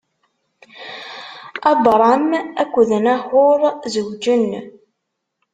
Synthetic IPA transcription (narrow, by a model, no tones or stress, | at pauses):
ɑbˤɾˤɑmækʷːðənæħʊɾˤzəwd͡ʒən